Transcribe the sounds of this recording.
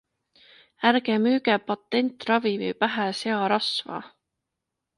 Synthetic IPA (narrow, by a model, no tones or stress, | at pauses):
ærɡemyːɡepɑt̪ːe̞nʲt̪ːˑrɑvivḭpæɦæse̞ɑɾɑsvɑ̰